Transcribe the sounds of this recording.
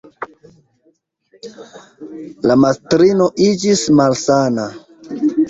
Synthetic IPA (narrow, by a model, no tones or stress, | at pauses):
lamastɾino̞ʔid͡ʒismalsana